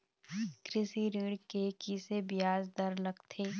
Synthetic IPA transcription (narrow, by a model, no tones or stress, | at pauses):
kɾɪsiɾiːɽkekisebɪjaːzd̪ɐɾləɡt̪ʰeː